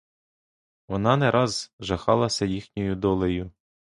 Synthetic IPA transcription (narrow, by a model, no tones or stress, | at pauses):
ʋɔnɑnɛɾʔɑzʒɐxɑlˠɐsʲɐjixnʲɔjʊd̪ɔlˠejʊ